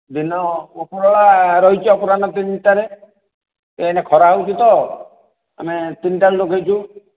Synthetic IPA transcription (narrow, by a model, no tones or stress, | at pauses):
d̪inɔokuɽɔɭaɾɔɦit͡ʃʰɔɔpɔɾanɔt̪inʈaɾe | eenekʰɔɾaut͡ʃit̪ɔ | a̰met̪inʈaɾeloɡʱajt͡ʃʰu